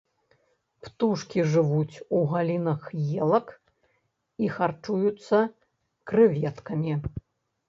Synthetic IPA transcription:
pt̪uʂkʲiʐɨvut͡sʲuɣalʲinɐxjelˠɐk | ixart͡ʂujut̪sːɐ | kɾɨvʲɛt̪kɐmʲi

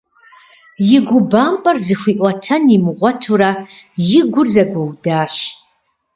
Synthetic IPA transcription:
jɪɡʷʊbaːmpʼɐrzɨxʷiʔʷʼɐtʰɐnimɨʁʷɔtʰuɾajɪɡʷʊrzɐɡʷɐwdaːʃ

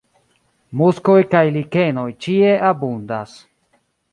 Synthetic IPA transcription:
muskojkajlike̞no̞jt͡ʃie̞ʔabundas

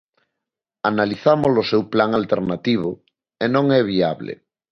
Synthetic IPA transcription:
analiθamozlosewplaŋalt̪eɾnat̪iβ̞o | enõŋɛβiaβlḛ

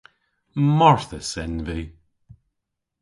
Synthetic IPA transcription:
mɔɹθəsɛnviː

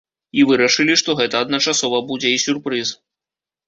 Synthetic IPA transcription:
ivɨɾɐʂɨlʲiʂt̪ɔɣɛt̪ɐːd̪nɐt͡ʂasɔvɐbud͡zʲɛisʲurpɾɨs

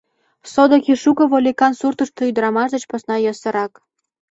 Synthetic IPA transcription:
sod̪okʲiʃukɤ̆βolʲikɑnsurt̪əʃt̪ŏyd̪əɾɑmɑʃd̪ət͡ɕposnɑjɤsɤ̆ɾɑk

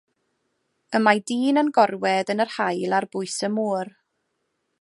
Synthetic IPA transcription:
əmajdiːnənɡɔrwɛðənərhajlˠarbʊɨsəmuːr

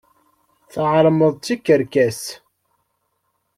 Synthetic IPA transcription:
θəʕɾˤməðˤt͡sːikːəɾkæs

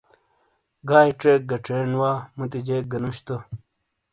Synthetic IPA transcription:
ɡaːjʈeːk̚ɡɐʈ͡ʂeːnwaːmut̪id͡ʑeːk̚ɡɐnuɕt̪o

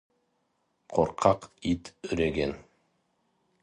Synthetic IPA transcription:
qʰoɾqʰɑqit̪ɵɾeɡen

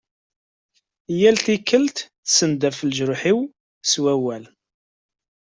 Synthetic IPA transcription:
jælt̪ikːəlt̪θsənd̪æfəlʒɾʊħiw | swæwæl

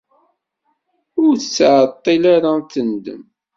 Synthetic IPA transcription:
ʊɾθəsːʕət̪ˤːilaɾaθənd̪ə̰m

